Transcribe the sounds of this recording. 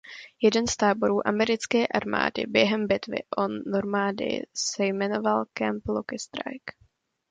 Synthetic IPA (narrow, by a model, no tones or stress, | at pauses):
jɛdɛnst̪aːbo̞ɾuːʔamɛɾɪt͡skɛːʔaɾma̰ːdɪ̰bjɛɦɛmbɪt̪vɪ̰ʔonoɾmaːdɪ̰sɛjmɛno̞valkɛmplokɪst̪ɾa̰jk